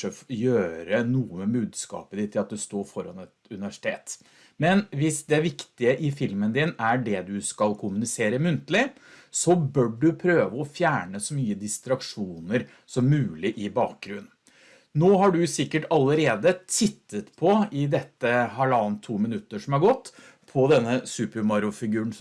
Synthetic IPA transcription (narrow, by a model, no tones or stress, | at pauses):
əfjøːɾənuːəmɛbʉːd̪skɑ̰ːpəd̪ɪt̪ʰːɪlɑt̪̚d̪ʉst̪oːɾfɔɾɑnɛt̪ʉnɪʋæʂɪ̥t̪ʰeːt̪ | mɛnʋɪsd̪ɛæʋɪkt̪ɪəʔɪfɪlmənd̪ɪnæɖɛd̪ʉskɑlkʰʊmʉnɪseːɾəmʉnt̪əlɪ | sɔbœɖɖʉpʰɾøːʋəɔfjæːɳəsɔmyːəd̪ɪst̪ɾɑkʂuːnəɾ | sɔmːʉːlɪʔɪbɑːk̚ɡɾʉnː | noːɦɑɖʉsɪkːəʈɑləɾeːd̪ət̪ʰɪt̪ːət̪pʰɔɪd̪ɛt̪ːəɦɑɭɑːnt̪ʰːuːmɪnʉt̪ːəʂɔmæɡɔt̪ː | pʰɔd̪ɛnːəsʉːpəɾmɑɾʊfɪɡʉːəɳ